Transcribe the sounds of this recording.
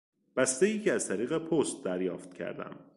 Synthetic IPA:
b̥æst̪ejiːcʰeæzt̪ʰæɾiːɣe̞pʰost̪̚d̪æɾjɒːft̪̚cʰæ̰ɾd̪æ̰m

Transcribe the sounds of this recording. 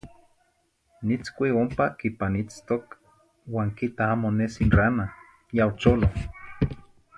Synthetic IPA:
nit͡skʷiompakipanit͡st̪ok | waːŋkit̪aaːmonesinrana | jaot͡ʃolo

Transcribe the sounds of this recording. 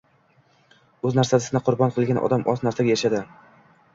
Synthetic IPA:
ɵznaɾsad̪ɪsnɪqʰʊɾbɒnqʰɨlˠɡʲanʔɒ̰d̪amʔɒznaɾsaɡʲajaʃad̪ɪ

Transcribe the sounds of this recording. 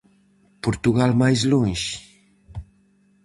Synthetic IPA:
puɾt̪uɣalmajzluŋʃ

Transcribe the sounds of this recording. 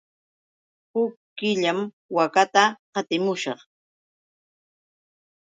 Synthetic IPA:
hʊkːɪʎam | wakat̪aqɑt̪ɪmʊʃɑχ

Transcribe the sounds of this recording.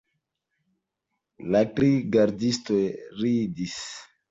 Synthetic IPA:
latɾiɡaɾdistojɾidis

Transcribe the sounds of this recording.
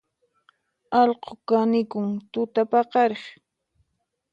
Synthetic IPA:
ɑlqokanɪkʊŋt̪ʊt̪apɑqɑɾeχ

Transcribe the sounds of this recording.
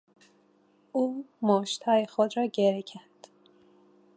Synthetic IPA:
ʔuːmoːʃt̪hɒːjexod̪ɾɒːɟeɾecʰænd̪̥

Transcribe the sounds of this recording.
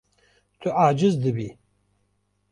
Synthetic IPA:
tʰɨʔaːd͡ʒɨzd̪ɨbi

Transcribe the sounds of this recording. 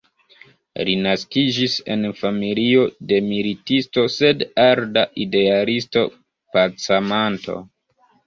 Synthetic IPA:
linaskid͡ʒise̞̰nfamilio̞de̞militisto̞se̞daɾdaʔide̞alisto̞̰ | pat͡samanto̞̰

